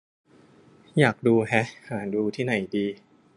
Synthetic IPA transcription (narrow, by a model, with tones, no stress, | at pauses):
jaː˨˩k̚duː˧ɦɛ˦˥haː˩˦duː˧t̪ʰiː˥˩na˨˩˦jdiː˧